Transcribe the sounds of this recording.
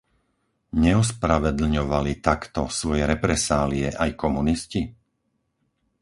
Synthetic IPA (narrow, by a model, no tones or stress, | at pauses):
ɲɛus̬pɾaʋɛd̪l̩ɲɔʋalit̪akt̪ɔsʋɔjɛɾɛpɾɛsaːliɛʔajkɔmunisci